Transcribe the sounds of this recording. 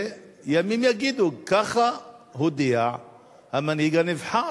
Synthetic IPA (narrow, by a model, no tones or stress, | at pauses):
jamimjaɡid̪ukaxahʊd̪ija | amːanhiɡanɪfħa